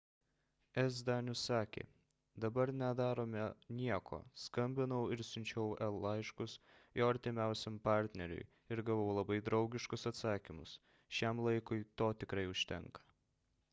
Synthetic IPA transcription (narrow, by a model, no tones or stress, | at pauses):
ɛzd̪ɑːnʲʊsɑːkʲḛː | d̪ɐbɐɾnʲɛd̪ɑːɾoːmʲɛnʲiɛko̰ːskɐmʲbʲɪnɐʊɪɾsʲʊnʲt͡ʃʲɛʊɛlˠːɐɪʃkʊsjoːɐɾʲt̪ʲɪmʲæˑʊsʲɛmpɑˑɾʲt̪ʲnʲɛɾʲʊ̰ɪ | ɪɾɡɐʋoʊlˠɐbɐɪd̪ɾɒʊɡʲɪʃkʊsɐt̪sɑːkʲɪmʊs | ʃʲɛmlˠɐɪkʊɪt̪oːt̪ʲɪkɾɐɪʊʃʲt̪ʲɛ̰ŋkɐ̥